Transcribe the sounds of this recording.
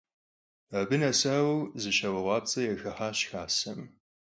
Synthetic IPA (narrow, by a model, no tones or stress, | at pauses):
ɐbɨnɐsaːwɐwzɨɕɐwɐʁʷɑːp̚t͡sʼɐjɛxɐħaːɕxaːsɐm